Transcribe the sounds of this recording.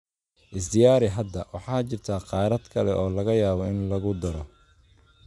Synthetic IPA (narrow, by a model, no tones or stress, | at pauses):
ʔɪs̬d̪ɪjaːɾɪɦɐd̪ɐwɑħɑːt͡ʃɪrt̪ʰaːqɑːɾɐd̪kʰɐlɛʔɔːlɐɣɐjaːβɔɪnlɐɣʊd̪ɐɾɔ